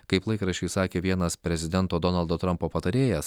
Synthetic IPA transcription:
kɐɪplˠɐɪkɾɐʃʲɛɪsɑːkʲeːʋʲiɛnɐspʲɾʲɛzʲɪd̪ʲɛnt̪oːd̪ɔnɐlˠd̪ot̪ɾɐmpoːpɐt̪ɐɾʲeːjɛs

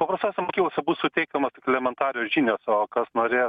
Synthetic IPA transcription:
pɐpɾɐst̪oːsʲɛmoːkʲiklˠosʲɛbuːssʊt̪ʲɛɪkɐmɐst̪okʲlʲɛmʲɛnt̪ɑːɾʲɪjoːʒʲiːnʲoːsoːkɐsnoːɾʲeː

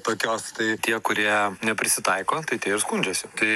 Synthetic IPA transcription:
t̪oːkʲoːst̪ɐɪt̪ʲiɛkʊɾʲiɛnʲɛpʲɾʲɪsʲɪt̪ɐɪkoːt̪ɐɪt̪ʲiɛɪɾskʊnʲd͡ʒʲɛsʲɪt̪ɐɪ

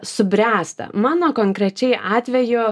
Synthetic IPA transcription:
sʊbʲɾʲæːst̪ɐ̰mɑːnoːkoːŋkɾʲɛt͡ʃʲɛɪʔɑːt̪ʲʋʲɛjʊ

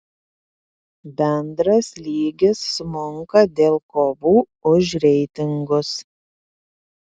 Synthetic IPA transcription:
bʲɛnd̪ɾɐslʲiːɡʲɪsːʊmʊŋkɐd̪ʲeːlˠkoːʋuː | ʊʃ̬ɾʲɛɪt̪ʲɪŋɡʊs

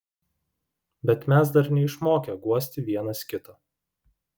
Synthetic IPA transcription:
bʲɛt̪mʲæs̬d̪ɐɾnʲɛɪʃmoːkʲɛɡuɔsʲt̪ʲɪʋʲiɛnɐskʲɪt̪ɐ

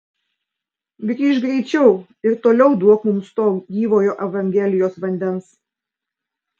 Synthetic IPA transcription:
ɡɾʲiʃɡɾʲɛɪt͡ʃʲɛʊ | ɪɾt̪oːlʲɛʊd̪uɔkmʊmst̪oːɡʲiːʋoːjoːʔɛʋɐŋʲɡʲɛlʲɪjoːsʋɐnʲd̪ʲɛns

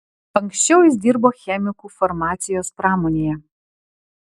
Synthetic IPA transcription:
ɐŋksʲt͡ʃʲɛʊjɪsd̪ʲiːɾboːxʲɛmʲɪkuːfɔɾmɑːt̪sʲɪjoːspɾɑːmoːnʲeːjɛ

